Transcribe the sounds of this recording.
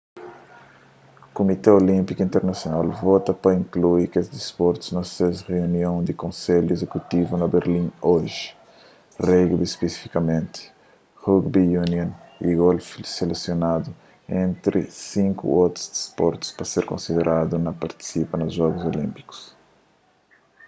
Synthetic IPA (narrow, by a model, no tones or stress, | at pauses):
komit̪eolĩmpikuĩnt̪eɾnɐsjonalvɔt̪ɐpɐĩŋkluikesd̪ispɔɾt̪u̥znɐsezreunjõnd̪ikõnseʎuezekut̪ivunɐbeɾlĩnoʒi̥ | reɡdspesi̥fi̥kɐmẽnt̪ɪ̥ | huɡbijunjõnḭɣolfselesjonad̪u | ẽnt̪ɾḭsĩŋkṵot̪ɾu̥zd̪i̥spɔɾt̪u̥spɐseɾkõ̰nsid̪eɾʔad̪unɐpaɾt̪i̥sipɐnɐzʒɔɡuzolĩmpi̥ku̥s